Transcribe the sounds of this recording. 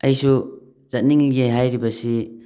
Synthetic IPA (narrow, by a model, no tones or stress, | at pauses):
ɐjsu | z̥at̚niŋiɡeɦajɾibɐsi